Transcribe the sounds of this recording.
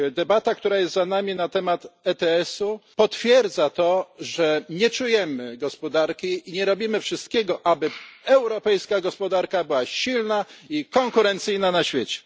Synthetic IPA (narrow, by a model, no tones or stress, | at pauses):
d̪ɛbat̪ak̚t̪uɾajɛst̪zanamʲinat̪ɛmat̪ɛt̪ɛɛsupɔt̪fʲjɛɾd̪zat̪ɔʐɛɲɛt͡ʂujɛmɘɡɔspɔd̪aɾkʲiiɲɛɾɔbʲimɘfʂɘst̪̚kʲɛɡɔʔabɘɛwɾɔpɛjskaɡɔspɔd̪aɾkabɘwaɕilnaikɔŋkuɾɛnt̪sɘjnanaɕfʲjet͡ɕɛ̥